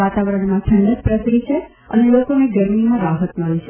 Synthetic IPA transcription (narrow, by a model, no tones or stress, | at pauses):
at̪aʋəɾəɳmãt͡ʃʰə̃nd̪ət̪̚pɾəsɾit͡ʃʰe | ənelokoneɡəɾmimãɾaɦət̪məlit͡ʃʰe